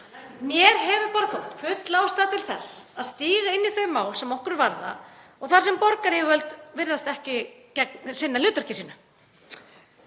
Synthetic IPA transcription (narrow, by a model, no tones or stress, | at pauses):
mjɛɾ̥ɦɛvʏpaːɾaθowht̪fʏt̪laːwst̪aðt̪ʰɪlθɛsːaðst̪iːɣaɪnːiθœɥmaːwlsɛmɔhkʏɾvaɾða̰ɔɣθḁsɛmpɔɾkaɾɪvœlt̪vɪɾðast̪ɛhcɪcɛknsɪnːalʏːt̪aɾ̥cɪsiːnʏ